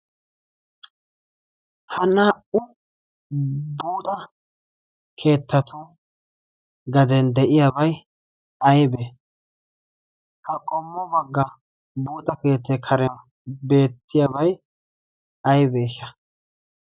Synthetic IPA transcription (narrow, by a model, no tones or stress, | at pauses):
hɐnaːʔʊ | buːt̪ʼɐ | kʰe̞ːt̪ːɐt̪ʰʊ | ɡɐd̪ɛnd̪ɛʔɪjabɐj | ɐjbe | hɐkʼɔmːɔbɐɡːɐ | buːt̪ʼɐke̞ːt̪ːɛkʰɐɾɛn | be̞ːt̪ːɪjabɐj | ɐjbeːʃɐ